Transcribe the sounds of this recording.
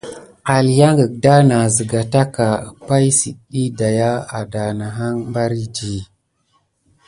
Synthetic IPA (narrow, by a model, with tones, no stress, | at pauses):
a˨lja˦ŋɡə˨k̚da˦na˨zə˨ɡa˨ta˦ka˨pa˦jsḭ˨ɗi˦da˨ja˦a˨da˨na˨ɦa˦ŋmba˦ɾi˦d͡ʒi˨